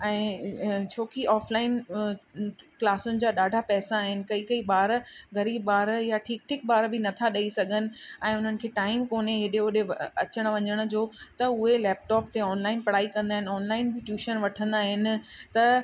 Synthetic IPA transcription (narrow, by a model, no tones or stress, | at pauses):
ɛ̃ːt͡ɕʰoːkiʔɔːflaːɪn | klaːsʊnɪ̆d͡ʑaːɗaːɖʱapɛːsaːɦɪnɪ̆kɐikɐiɓaːɾɡɐɾiːbbaːɾjaʈʰiːk̚ʈʰiːk̚baːɾbɪnɐt̪ʰaɗɐisɐɡʱənɪ̆ɛ̃ːʊn̤ənɪ̆kʰeːʈaːɪmkoːneɦeɗeoɗeɐt͡ɕəɽ̃̆ʋɐ̃ɲəɽ̃̆d͡ʑoːt̪ɐʊɦelɛːp̚ʈɔːpt̪eɔːnlaːɪnpɐɽaːikɐ̃nd̪aːɦɪnɪɔːnlaːɪnbɪʈjuːʃənʋɐʈʰə̃nd̪aːɦɪnɪ̆t̪ɐ